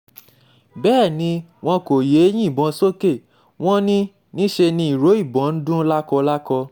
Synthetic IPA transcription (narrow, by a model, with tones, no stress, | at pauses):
bɛː˦˨nĩ˧w̃ɔ̃˧ko˨je˨˦j̃ĩ˦˨bɔ̃˧so˦ke˦˨ | w̃ɔ̃˦nĩ˦ | nĩ˦ʃe˧nĩ˧i˨ɾo˨˦i˦˨bɔ̃˨˦n̩˦dũ˦la˦kɔ˧la˦kɔ˧